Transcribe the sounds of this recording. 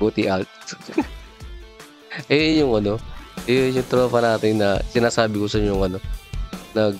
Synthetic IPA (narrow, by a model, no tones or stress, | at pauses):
ot̪iʔɐlt̪̚ | ʔɛjʊŋʔɐno̞jojʊŋt̪ɾoːfɐnaːt̪ɪnːɐsɪnaːsaːbɪkosɐɲoŋɐno̞nɐɡ